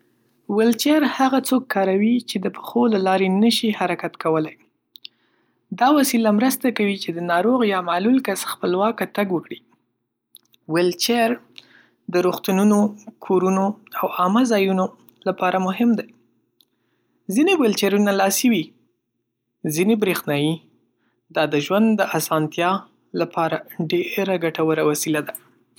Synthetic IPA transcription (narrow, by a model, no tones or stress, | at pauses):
wɪlt͡ʃeɾhaɣat͡sokːɑɾawit͡ʃed̪əpə̥xolalɑɾenəʃihaɾakat̪kawəlaj | d̪ɑwasilamɾəst̪akawit͡ʃed̪ənɑɾoɣjɑmalulkasxpəlwɑkat̪aɡwəkɽi | wɪlt͡ʃeɾ | d̪əɾuxt̪ununokʰoɾunoawɑməzɑjuno | lapɑɾamʊɦɪmd̪aj | zinewelt͡ʃeɾunalɑsiwi | zinebɾexnɑji | d̪ɑd̪əʒwand̪d̪ːəʔasɑnt̪jɑ | lapʰɑɾaɖeɾaɡaʈawəɾawasilad̪a